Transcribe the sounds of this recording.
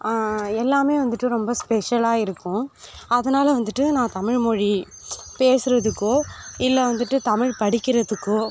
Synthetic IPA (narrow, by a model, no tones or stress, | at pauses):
ɛlːaːmeːʋɐnd̪ɯʈːɯɾɔmbɐspɛʂɐlaːɪɾɯkːʊ̃ɐðɐnaːlɐʋɐnd̪ɯʈːɯnãːt̪ɐmɪɻmɔɻi | peːsɯɾɐðɯkːoːɪlːɐʋɐnd̪ɯʈːɯt̪ɐmɪɻpɐɽɪkʲːɪɾɐðɯkːoː